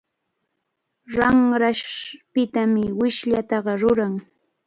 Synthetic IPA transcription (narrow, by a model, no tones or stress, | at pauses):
ɾɑŋɾaʃpɪt̪amɪwɪʃʎat̪ɑɢɑɾʊɾaŋ